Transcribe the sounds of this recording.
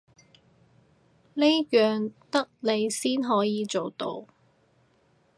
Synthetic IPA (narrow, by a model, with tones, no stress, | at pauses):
ne˥jœː˨ŋt̪ɐ˥k̚le˨˧jsiː˥nɦɔː˨˥jiː˨˧t͡so˨wt̪o̰˨˧w